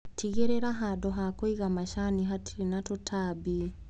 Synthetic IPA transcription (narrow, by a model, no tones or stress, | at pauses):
tʰiɣeɾeɾaɦadɔɦakoiɣamaʃaniɦatiɾinatutʰabi